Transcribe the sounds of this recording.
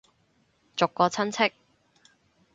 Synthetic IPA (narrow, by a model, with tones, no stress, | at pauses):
t͡sʊ˨kːɔː˧t͡sʰɐ˥nt͡sʰɪ˥k̚